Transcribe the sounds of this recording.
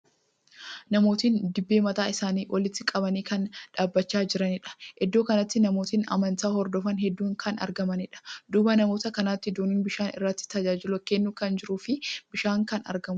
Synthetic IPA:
nɐmo̞ːt̪iːnd̪ɪbːe̞ːmɐt̪aːɪsaːniːʔɔlɪt̪ːɪkʼɐbɐniːkɐnᶑaːbːɐt͡ʃːaːd͡ʒɪɾɐnɪᶑɐ̥hɛd̪ːoːkɐnɐt̪ːɪnɐmo̞ːt̪iːnɐ̰mɐnt̪aːhɔɾd̪ɔfɐnɦɛd̪ːuːŋkʰɐnɐ̰ɾɡɐmɐnɪᶑɐ̥d̪uːbɐnɐmo̞ːt̪ɐkɐnaːt̪ːɪd̪uːniːnbɪʃaːnɪ̰rːɐt̪ːɪ̥t̪ɐd͡ʒaːd͡ʒɪlʊkɛnːuːkɐnd͡ʒɪɾuːfɪbɪʃaːŋkɐnɐ̰ɾɡɐmʊ

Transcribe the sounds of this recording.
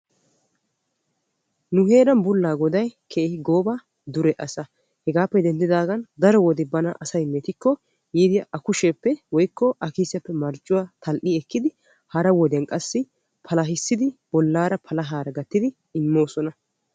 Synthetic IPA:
nʊɦeːɾɐnbʊlːaːɡɔd̪ɐjkʰeːhɪɡoːba | d̪ʊɾɛʔɐsɐ | hɛɡaːpːɛd̪ɛnd̪ɪd̪aːɡɐnd̪ɐɾɔwɔd̪ɪbɐnɐʔɐsɐjmeːt̪ɪkːɔ | jiːd̪ɪjɐʔɐkʊʃepːɛwɔjkːɔʔɐkiːsɛpːɛmɐɾt͡ʃʼːʊwaːt̪ʰɐlʔiɛkːɪd̪ɪ | hɐɾɐwɔd̪ɪjɐnkʼɐsːɪ | pʰɐlɐɦɪsːɪd̪ɪb̥ɔlːaːɾɐpʰɐlɐɦaːɾɐɡɐt̪ːɪd̪ɪ | ɪmːo̞ːsɔnɐ

